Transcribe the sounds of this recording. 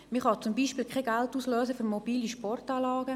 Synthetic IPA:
miχɑt͡sumbiːʃpɪːlkχɛɡæltuːsløːsəfyɾmob̥iːliʃpɔrtɑːlɑːɡə

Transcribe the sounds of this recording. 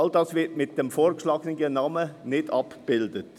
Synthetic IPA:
ɑldɑːsvɪɾtmɪt̚d̥ɛmfoːɾkʃlɑːɡnɪɡənɑːmənɪdɑpb̥ɪldət

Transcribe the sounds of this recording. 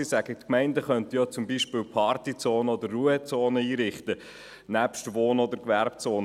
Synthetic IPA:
isæɡətkmɛɪndəχœntijɔt͡sʊmbiʃpɪːwpʰɑrt̪it͡soːnəɔd̪əɾːuət͡soːnəiːɾɪχt̪ə | næpʃtʋoːnɔd̪əɾkʋæɾpt͡soːn

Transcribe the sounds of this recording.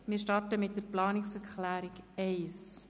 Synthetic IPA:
mɪːɾʃtɑrtəmɪt̚dəɾplɑːnɪksɛɾkχlæːɾɪkɛɪs

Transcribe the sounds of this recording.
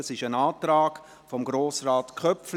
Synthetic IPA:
əsɪʃənaːtɾaːɡ̥ | fɔmɡɾoːsraːtkʰœpfl

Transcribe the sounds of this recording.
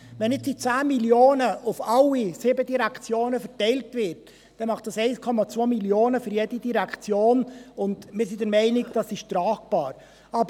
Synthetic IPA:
ʋɛnɪtsit͡sæːmiljoːnəʊfɑlːisɪbədiɾækt͡sjoːnəfəɾtɛɪltvɪɾt | d̥ɛmɑχt̚d̥ɑsɛɪskʰɔmɑt͡svoːmiljoːnəfʏɾjɛdidiɾækt͡sjoːnʊndmɪːɾsidəɾmɛɪnɪkd̥ɑsɪʃtɾɑːkb̥ɑːɾ | ɑbə

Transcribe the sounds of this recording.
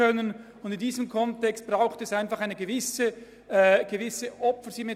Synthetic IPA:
œnən | ʊndɪndiːzəmkʰɔntɛkst̚b̥raʊxtəɛsaɪnfaχaɪnəɡəvɪsə | ɡ̥əvɪsəʔɔpfəɹsyme

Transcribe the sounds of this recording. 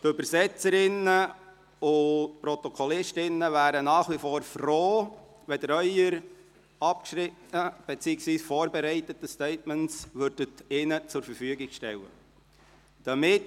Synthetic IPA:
tʏbəɾsɛt͡səɾɪnə | ʊtpɾɔt̪ɔkʰɔlɪʃtɪnːəvæːɾənɑːχʋifoːɾfroː | ʋɛdəɾœʏəɾ | ɑpkʃɾɪtnəb̥ɛt͡siːəksʋiːsfoːɾbɛɾɛɪtətəstɛɪtmɛntsʋøɾd̥ətɪnət͡sʊɾfəɾfyəɡɪɡ̥ʃtɛ̰lə̰ | d̥ɑmɪt

